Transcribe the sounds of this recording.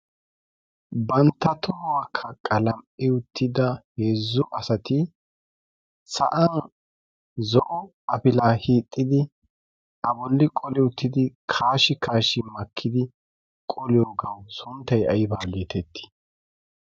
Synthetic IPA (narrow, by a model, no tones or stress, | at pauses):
bɐnt̪ːɐt̪ʰɔhɔwakʰːɐkʼɐlɐmʔɪʊt̪ːɪd̪ɐheːzːʊʔɐsɐt̪ɪ | sɐ̰ʔɐn | zɔʔɔ | ɐpɪlaːhiːt̪ʼːɪd̪ɪ | ʔɐbɔlːɪkʼɔlɪʊt̪ʰːɪd̪ɪkʰaːʃɪkʰaːʃɪmɐkʰːɪd̪ɪ | kʼɔlɪjoːɡɐwsʊnt̪ːɐjɐjbaːleːt̪ɛt̪ːɪ̥